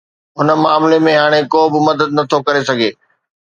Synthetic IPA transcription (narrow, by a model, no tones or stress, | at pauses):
ɦʊnə̆maːmlemẽɦaːɽ̃ekoːbɪmɐd̪əd̪̚nɐt̪ʰokɐɾesɐɡʱeː